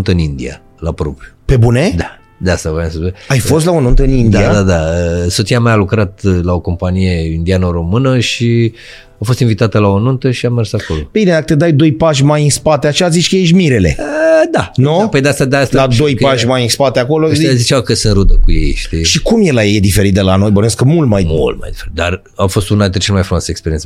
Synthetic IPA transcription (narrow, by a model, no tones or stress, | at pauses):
nt̪əɨnind̪ia̰ | lapɾo̞̰pɾijupe̞buned̪a | d̪east̪avaansəajfo̞s̬t̪laonunt̪əɨnind̪aiad̪ad̪aəso̞t̪sijamajalukɾat̪lao̞ko̞mpanije̞ind̪ianəɾo̞mɨnəʃi | afo̞st̪invit̪at̪əlaonunt̪əʃiamersako̞lo̞bined̪akət̪ed̪ajd̪o̞jpaʃʲmajɨnspat̪eat͡ʃeazit͡ʃʲkəjeʃ̬miɾe̞le̞̰əd̪anupəjd̪east̪ad̪st̪alad̪o̞jkpaʃʲmajinspat̪eako̞lozit͡ʃawkəsɨnɾud̪əkuje̞̰jʃt̪iʃikumjelajejd̪ife̞ɾit̪̚d̪elano̞jboneaskəmult̪majmṵlt̪̚ma̰jd̪ifeɾit̪̚d̪ar | afo̞st̪unad̪t̪et͡ʃelmajfɾumwasəekspeɾiensə